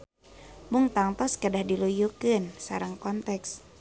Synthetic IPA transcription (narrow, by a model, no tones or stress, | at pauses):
muŋt̪aŋt̪ɔskədahdilujukɨnsaɾaŋkɔnt̪ɛks